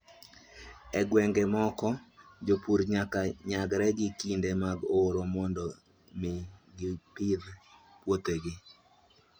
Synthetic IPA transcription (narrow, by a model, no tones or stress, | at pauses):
ɛɡwɛŋɡemɔkɔd͡ʒopuɾɲakaɲaɡɾɛɡɪkindemaɡoɾomɔndɔ | mɪɡɪpið | pwot̪eɡɪ